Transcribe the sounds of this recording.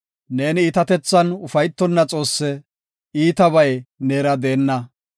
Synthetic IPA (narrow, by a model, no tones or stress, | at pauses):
ne̞ːniːt̪ɐt̪ɛt͡sːɐnʊfɐjt̪ːɔnːɐt͡sʼo̞ːsːɛ | iːt̪ɐβɐjneːɾɐd̪eːnːɐ